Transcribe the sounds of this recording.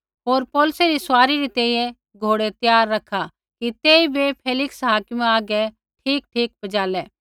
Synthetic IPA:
ɦoːɾpɔːlseɾisʊwaːɾiɾit̪ẽːĩjẽ | ɡʱoːɽet̪jaːɾːɐkʰa | kit̪eːibepʰeːlɪksɦaːkɪmaːɡɛ | ʈʰiːk̚ʈʰiːk̚bɐd͡ʒaːlɛː

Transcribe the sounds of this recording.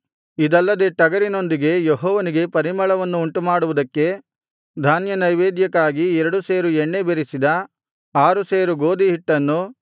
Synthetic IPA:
id̪ɐlːɐd̪e̞ːʈɐɡɐɾino̞nd̪iɡe̞jeɦɔːʋɐniɡe̞pɐɾimɐɭɐʋɐnːuːɳʈumaːɽuʋud̪ɐkːe̞ | d̪ʱaːnjɐnɐjʋeːd̪jɐkːaːɡiɛɾɐɽuseːɾuɛɳːe̞beɾisid̪ɐ | aːɾuseːɾuɡo̞ːd̪iɦiʈːɐnːu

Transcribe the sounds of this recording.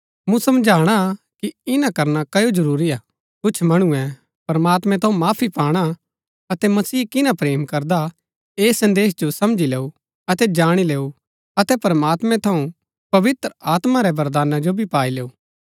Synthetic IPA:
mũsɐmd͡ʒʱaːɽ̃akiɪnãkɐɾnakɐjod͡ʒɐɾuːɾiaː | kʊt͡ʃʰmɐɽ̃ʊɛ̃ | pɐɾəmaːt̪mɛ̃t̪ʰɐũmaːpʰipaːɽ̃a | ɐt̪ɛmɐsiːkɪnãpɾeːmkɐɾd̪a | eːsɐ̃nd̪eːs̬d͡ʒosɐmd͡ʒileːu | ɐt̪ɛd͡ʒaːɽ̃ileːu | ɐt̪ɛpɐɾəmaːt̪mɛ̃t̪ʰɐũ | pɐʋɪt̪ɾəaːt̪maɾɛbɐɾd̪aːnad͡ʒobʱipaːileːuː

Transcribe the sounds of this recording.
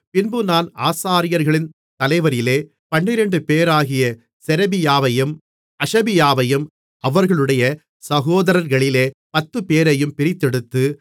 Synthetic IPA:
pɪnbɯnaːnaːsaːɾɪjɐɾɣɐɭɪn | t̪ɐlɐɪʋɐɾɪleː | pɐɳːɪɾɛɳɖɯpeːɾaːɣɪjɐ | sɛɾɐbɪjaːʋɐjɯm | ɐʂɐbɪjaːʋɐjɯm | ʔɐʋɐɾɣɐɭɯɽɐjɐ | sɐɣoːðɐɾɐɾɣɐɭɪleːpɐt̪ːɯpeːɾɐjɯmpɪɾɪt̪ːɛɽɯt̪ːɯ

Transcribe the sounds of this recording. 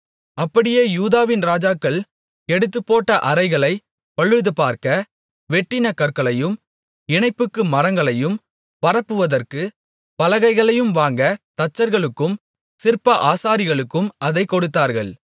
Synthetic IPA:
ʔɐpːɐɽɪjeːjuːðaːʋɪnɾaːd͡ʒaːkːɐɭ | ɛɽɯt̪̬ːɯpːoːʈːɐʔɐɾɐɪɣɐɭɐɪ | pɐɻɯðɯpaːɾkɐ | ʋɛʈːɪnɐkːɐɾkɐɭɐjɯm | ɪɳɐɪpːɯkːɯmɐɾɐŋɡɐɭɐjɯm | pɐɾɐpːɯʋɐðɐrkɯ | pɐlɐɣɐɪɣɐɭɐjɯmʋaːŋɡɐt̪ɐt͡ʃːɐɾɣɐɭɯkːɯm | sɪrpːɐʔaːsaːɾɪɣɐɭɯkːɯmʔɐðɐɪkːɔɽɯt̪ːaːɾɣɐɭ

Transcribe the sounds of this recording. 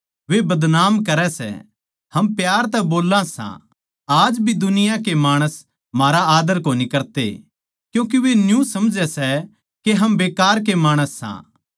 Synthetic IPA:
ʋebɐd̪naːmkɐɾɛsɛ̰ | hɐmpjaːɾt̪ɛboːlãsã̰ | aːd͡ʒbʱid̪ʊnɪjãkemaːɽ̃əs | maːɾaaːd̪əɾkoːnikɐɾt̪ḛ | kjũːk̬iʋenjũsɐmd͡ʒɛsɛ | keɦɐmbeːkaːɾk̬emaːɽ̃əsːã̰ː

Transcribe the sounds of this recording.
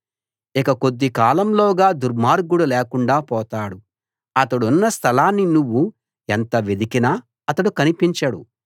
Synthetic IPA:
ikɐko̞d̪ːikaːlɐmlɔːɡaːd̪uɾmaːɾɡuɽulɛːkuɳɖaːpɔːt̪aːɽu | ɐt̪ɐɽunːɐst̪ʰɐlaːnːinuʋːu | ent̪ɐʋed̪ikinɐ | ɐt̪ɐɽukɐnipiɲt͡ʃɐɽṵ

